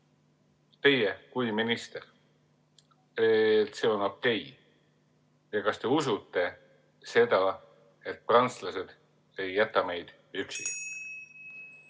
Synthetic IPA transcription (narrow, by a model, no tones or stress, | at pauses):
t̪e̞jekujminist̪e̞r | et̪se̞o̞no̞ke̞j | jɑkɑst̪e̞usut̪ːe̞ | se̞d̪ɑ | e̞t̪̚ːˑprɑnt̪slɑse̞d̪̥ | e̞jːæt̪ːˑɑme̞jd̪̥ | yksi